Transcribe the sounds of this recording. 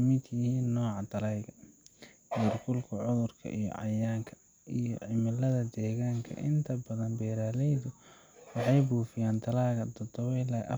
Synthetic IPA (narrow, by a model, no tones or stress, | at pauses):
mɪd̪jɪhiːnːɔːʕɑt̪ʰɐlajɣɐ | mʊrkʊlkʰɐʕʊðʊrkʰɐ̰ʔijɔ̰ʕɑ̰jaːŋkʰɐ̥ | ʔijɔ̰ʕɪmɪlɐðɐd̪ɛːɣaːŋkʰɐ̰ʔɪnt̪ʰɐbɐðɐnbɛːɾaːlɛjðʊ | wɑħɑjbuːfɪjaːnt̪ʰɐlaːɣɐd̪ɔd̪ɔwɛjlɐjʔɐ̰